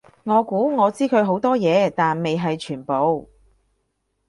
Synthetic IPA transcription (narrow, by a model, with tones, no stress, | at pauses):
ŋɔː˨˧kuː˨˥ŋɔː˨˧t͡siː˥kʰɵ˨˧ɥɦo˨˥wt̪ɔː˥jɛː˨˧t̪aː˨nme˨jɦɐ˨jt͡ʃʰyː˨˩npo˨˧w